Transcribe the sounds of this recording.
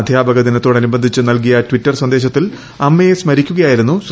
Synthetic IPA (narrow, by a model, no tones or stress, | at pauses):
d̪ʱjaːbɐɣɐðinɐt̪ːoːɽɐnubɐnd̪ʱit͡ɕːɨnɐlk̬ijɐtwitːɐrswɐnd̪e̞ːɕ̬ɐt̪ːil | ɐmːejesmɐɾikʲːuɣɐjaːjiɾunːus